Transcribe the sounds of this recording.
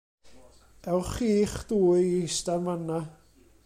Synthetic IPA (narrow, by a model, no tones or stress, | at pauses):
ɛwχiːχd̥uːɨistanmana